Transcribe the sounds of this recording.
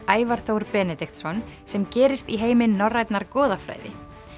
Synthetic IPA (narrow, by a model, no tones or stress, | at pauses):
aːjvaɾ̥θowɾpɛːnɛt̪ɪxt̪sɔn | sɛmcɛːɾɪst̪iɦeːjmɪnːɔrːajt̪naɾkɔːðafɾa̰ːjðɪ̰